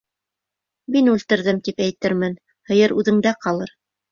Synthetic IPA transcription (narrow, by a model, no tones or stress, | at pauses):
minʉlt̪ɘ̆ɾðɘmt̪ipæjt̪ɘɾmɘn | hɤ̆jɤɾʉðɘ̆ŋd̪æqɑlˠɤɾ